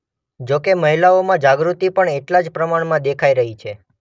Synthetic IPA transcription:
d͡ʒokeməɦilaomãd͡ʒaɡɾut̪ipəɳeʈlad͡ʒpɾəmaɳmãd̪ekʰaiɾəɦit͡ʃʰe

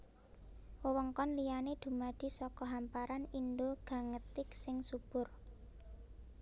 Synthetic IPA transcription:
wəwəŋkɔnlijaned̪̥ṳmad̪̥i̤sɔkɔɦampaɾanind̪oɡ̥a̤ŋət̪ɪksɪŋsub̥ʊ̤r

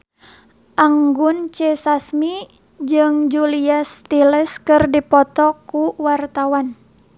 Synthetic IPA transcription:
ʔaŋɡunt͡ʃɛsasmi | d͡ʒɨŋd͡ʒuliast̪iləskɨrdipɔt̪ɔkuwart̪awan

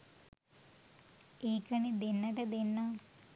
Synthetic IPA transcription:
iːkɐɳid̪inːɐʈed̪inːɐ

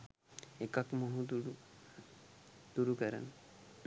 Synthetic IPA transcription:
ekakmoɦud̪uu | d̪̥uɾukəɾa̰n

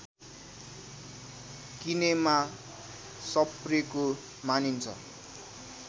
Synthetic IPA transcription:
kinema | sʌpreko | manint͡sʰʌ̰

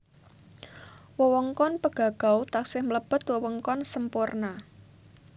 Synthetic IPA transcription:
wəwɔŋkɔnpəɡ̥ä̤ɡ̥a̤wt̪aksɪhmələb̥ə̤t̪wəwɔŋkɔnsəmpʊrna

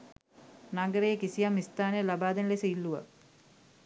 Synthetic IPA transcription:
naɡəɾejəkisijamːist̪aːnəjəlabaːd̪ɐnlesəilːuʋə̰

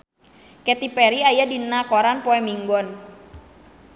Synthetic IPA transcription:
kɛt̪ipɛɾiajadinakɔɾanpɔɛmiŋɡɔn

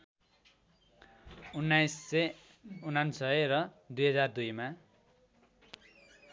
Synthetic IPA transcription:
unːajsːʌ | unansʌrʌ | d̪ujɦʌd͡zard̪ujma

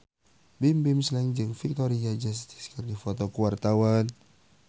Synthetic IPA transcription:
bimbɪmslɛŋd͡ʒɨŋfik̚t̪ɔɾiad͡ʒas̬t̪i̥skərdifɔt̪ɔkuwart̪awan

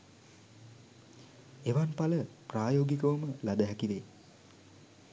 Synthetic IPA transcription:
eʋanpaləpraːjoːɡikəʋəməlad̪əɦækiʋe

